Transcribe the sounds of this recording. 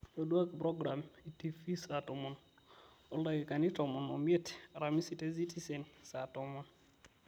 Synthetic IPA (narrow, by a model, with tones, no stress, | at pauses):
o˨dwa˦kpɾɔ˦ɡɾa˨mi˨ti˦fi˦satɔ˨mɔ˨n | ɔ˨la˨ɡi˨ka˨ni˦tɔ˨mɔ˨nɔ˨mɛ˦taɾa˨mi˦si˦te˦s̬i˦ti˦se˨nsatɔmɔn